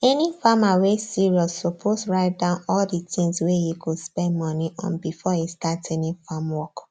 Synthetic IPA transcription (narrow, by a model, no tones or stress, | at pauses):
ɛnifamawesiɹiɔssopʰosɹaɪt̚dãʊ̃nɔlditĩŋswejukʰuspɛ̃nmɔ̃niʔɔ̰̃nbifɔjustatɛnĩfamwɔk